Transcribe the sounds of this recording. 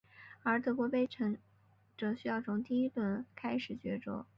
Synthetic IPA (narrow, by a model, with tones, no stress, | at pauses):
ə˞˧˥t̪ʰɤ˥˩kwɔ˧˥pe˥˩ɪʈ͡ʂʰɤ˧˥ŋ | ʈ͡ʂɤ˨˩ŋɕy˥jɑ˥˩ʊt͡sʰʊ˧˥ŋt̪̬i˥˧i˥t̪wə˥˩nkʰa˥ɪʂɻ̩˨˩t͡ɕɥɛ˧˥ʈ͡ʂʊ̰˥˦